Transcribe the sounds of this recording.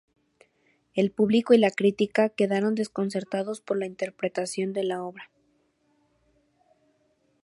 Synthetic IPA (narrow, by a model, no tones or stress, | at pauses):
e̞lpuβliko̞ilakɾit̪ikake̞ðaɾo̞nd̪e̞sko̞ns̬e̞ɾt̪aðo̞spo̞ɾlaint̪e̞ɾpɾe̞t̪asjo̞nd̪e̞lao̞βɾa